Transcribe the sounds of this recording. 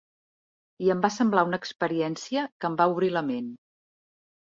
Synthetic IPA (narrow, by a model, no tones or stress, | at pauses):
iəmbasəmblaunəːkspəɾiɛnsiəkəmbauβɾiləmen